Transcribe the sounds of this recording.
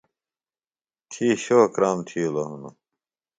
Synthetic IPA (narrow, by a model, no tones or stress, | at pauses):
t̪ʰiːɕokɾaːmt̪ʰijuloɦunu